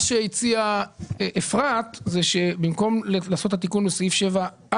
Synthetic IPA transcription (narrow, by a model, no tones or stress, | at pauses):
ʃeit͡siaʔefʁat̪zeʃebimko̞mllaːso̞t̪hat̪ikunbesajifʃeva